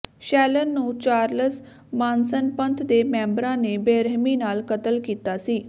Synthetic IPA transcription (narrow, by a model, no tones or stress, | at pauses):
ʃɛːlənːũːt͡ʃaːɾləs | maːnsənpə̃nt̪ʰd̪emɛ̃ːmbɾãːnebeːɾəɦmiːnaːlkət̪əlkiːt̪aːsiː